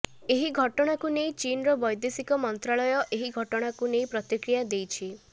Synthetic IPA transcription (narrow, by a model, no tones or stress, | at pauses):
eɦiɡʱɔʈɔɽ̃akunejt͡ʃinɾɔbɔjd̪esikɔmɔnt̪ɾaɭɔjɔʔeɦiɡʱɔʈɔɽ̃akunejpɾɔt̪ikɾijad̪ejt͡ʃʰi